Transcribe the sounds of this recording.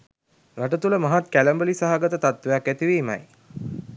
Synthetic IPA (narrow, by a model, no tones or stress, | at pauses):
ɾaʈət̪uləmaɦat̪kæləmbəlisaɦaɡət̪ət̪at̪ʋejakːæt̪iʋiːma̰j